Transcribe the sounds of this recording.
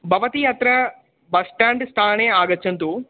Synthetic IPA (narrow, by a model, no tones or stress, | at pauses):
bʱɐʋɐt̪iɐt̪ɾɐ | bɐsʈaːɳɖst̪ʰaːneːaːɡɐt͡ʃːɐnt̪uː